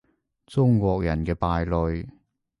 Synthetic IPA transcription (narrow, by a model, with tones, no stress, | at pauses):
t͡sʊ˥ŋkwɔː˧k̚jɐ˨˩nkɛː˧paː˨˧jlɵ˨˧ɥ